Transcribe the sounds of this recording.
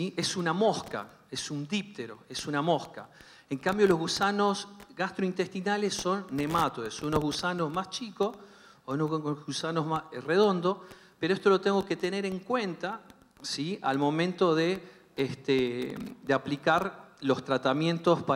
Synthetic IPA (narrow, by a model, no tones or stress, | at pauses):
iesunamo̞ska̰ | esund̪ip̚t̪eɾo̰esunamo̞ska̰ | eŋkambjo̞lo̞zɣusano̞sɣast̪ɾoint̪est̪inalesːo̞nːe̞mat̪oesunozɣusanozmast͡ʃiko | unousanoɦmareð̞o̞nd̪o̞ | peɾoeht̪olot̪eŋɡo̞ke̞t̪e̞ne̞ɾe̞ŋkwe̞nt̪a | sia̰lmõ̞mẽnt̪o̞ðe | est̪ed̪eaplikaɾlo̞st̪ɾat̪amjẽ̞nt̪ospa